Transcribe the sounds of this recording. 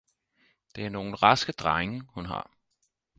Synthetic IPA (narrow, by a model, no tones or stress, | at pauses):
d̥eæɐno̝ːn̩ʁɑ̈sɡ̥əd̥ʁɑ̈ɪŋəhunɦɑ̰̈